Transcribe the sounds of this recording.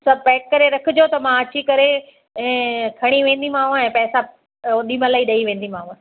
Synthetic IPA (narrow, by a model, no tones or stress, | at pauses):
sɐbpɛːk̚kːɐɾeɾɐkʰɪd͡ʑot̪ɐmãɐt͡ɕikɐɾe | ɛ̃ːkʰɐɽ̃iʋẽːnd̪imãːɦũɛ̃ːpɛːsa | ɗimə̃laiɗɐiʋẽːnd̪imãːɦũ